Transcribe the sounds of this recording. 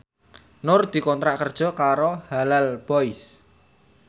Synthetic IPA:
nʊrd̪̥i̤kɔnt̪ɾaʔkərd̥ʒ̥ɔ̤kaɾohalalb̥ɔɪs

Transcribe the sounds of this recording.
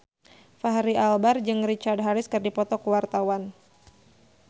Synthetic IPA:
faɦaɾiʔalbard͡ʒɨŋrit͡ʃard̚ɦaɾɪskɨrdipɔt̪ɔkuwart̪awan

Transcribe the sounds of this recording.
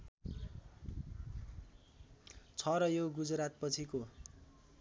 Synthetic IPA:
t͡sʰʌɾʌjoɡud͡zɾat̪̚pʌt͡sʰiko

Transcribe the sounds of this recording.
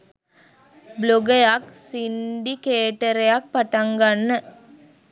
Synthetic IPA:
bloɡəjaksiɳɖikeːʈɐɾejak̚paʈaŋɡanːə

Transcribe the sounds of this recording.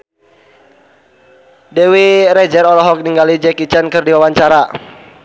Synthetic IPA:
dɛwiɾɛd͡ʒɛɾɔlɔɦɔk̚niŋɡalid͡ʒɛkit͡ʃankɨrdiwawaɲt͡ʃaɾa

